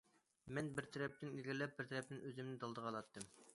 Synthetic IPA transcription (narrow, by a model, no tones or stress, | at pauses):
mɛnbɪɾt̪ʰæɾɛp̚t̪ɪnilɡʲiɾlɛp̚bɪɾt̪ʰɛɾɛp̚t̪ɪnøzɪmnɪd̪ɑlˠd̪əʁɑlˠɑt̪ːɨm